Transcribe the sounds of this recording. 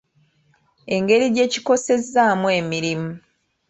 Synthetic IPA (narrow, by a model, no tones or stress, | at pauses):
e̞ŋɡe̞ɾiɟe̞ːci̥ko̞se̞zaːmweːmiɾimu